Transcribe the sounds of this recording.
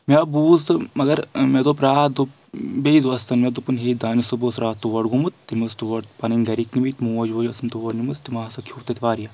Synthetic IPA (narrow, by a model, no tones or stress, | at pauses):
mʲaːbuːzt̪ɨmɐɡɐɾmed̪opɾaːd̪o | beid̪uɐst̪ɐnmed̪upunɦeːd̪aːnisuboːsɾaːt̪uʋɐɖɡumut̪ːimɨst̪uʋɐɽ̚pɐnɐŋɡɐɾiknimit̪ʲmuɐd͡ʒʋoːd͡ʒɐsɐnt̪uʋɐɽnimɨst̪imaːsɐkʰuːt̪ɐt̪iʋaːɾijɐ